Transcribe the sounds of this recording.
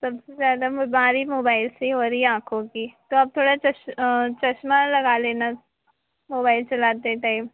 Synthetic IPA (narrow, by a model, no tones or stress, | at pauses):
sɐbsezjaːd̪amaːɾimoːbaːɪlseɦoːɾəiɛãːkʰõkit̪oɐb̚t̪ʰoːɽat͡ʃɐʃt͡ʃɐʃmalɐɡaleːna | moːbaːɪlt͡ʃɐlaːt̪eʈaːɪm